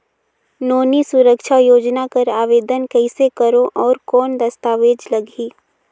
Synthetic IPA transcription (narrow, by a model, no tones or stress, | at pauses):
noːnisʊɾəkʃajoːd͡ʒnakɐɾaːʋeːd̪ənkɛɪsekəɾõʔɔːɾkɔːnd̪ɐst̪aːʋeːd͡ʒlɐɡiː